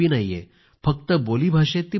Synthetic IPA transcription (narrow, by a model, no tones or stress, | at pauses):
inaijḛ | fək̚t̪əboliːbʱaʂet̪ːi